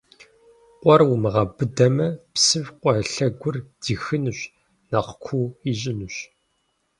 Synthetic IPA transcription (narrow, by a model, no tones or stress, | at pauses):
qʷɔrwʊmɨʁɐbɨdɐmɐpsɨvqʷɔɐɬɐɡʷʊrd̥iːxɨnɨɕ | nɐqkʷʰuiɕʼɪnɨɕ